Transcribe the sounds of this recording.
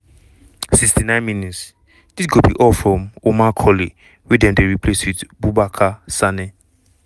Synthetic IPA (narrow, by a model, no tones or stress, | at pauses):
sikstinãɪ̃nminits | d̥isɡobḭʔɔfɹɔ̃momakʰɔli | wɛdɛ̃mdeɹipʰleswidbubakʰasanɛ